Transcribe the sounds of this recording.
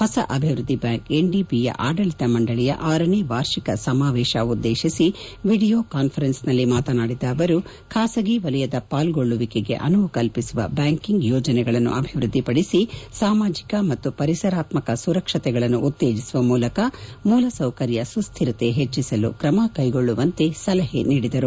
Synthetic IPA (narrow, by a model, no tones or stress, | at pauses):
hɐsɐʔɐbʱiʋɾud̪ʱːibjaːŋke̞ɳɖibijɐ̰ʔaːɖɐɭit̪ɐmɐɳɖɐɭijɐ̰ʔaːɾɐneːʋaːɾʃikɐsɐmaːʋɛːʃɐud̪ːeːʃisiʋiːɽijoːkaːnpʰɐɾensnɐlːimaːt̪ɐnaːɽid̪ɐːʋɐɾu | kʰaːsɐɡiʋɐlɛjɐd̪ɐpaːlɡoɭːuʋikeɡe̞̰ʔɐnukɐlpisuʋɐ̰baːŋkiŋɡjɔːd͡ʒɐnɛɡɐɭɐnːṵʔɐbʱiʋɾud̪ːipɐɽisisaːmaːd͡ʒikɐmɐt̪ːupɐɾisɐɾaːt̪mɐkɐsuɾɐkʂɐt̪ɛɡɐɭɐnːuʔut̪ːeːd͡ʒisuʋɐmuːlɐkɐmuːlɐsɐwkɐɾjɐsust̪ʰiɾɐt̪e̞ɦet͡ʃːisɐlṵkɾɐmɐkɐjɡo̞ɭːuʋɐnt̪e̞sɐlɐɦḛniːɽid̪ɐɾu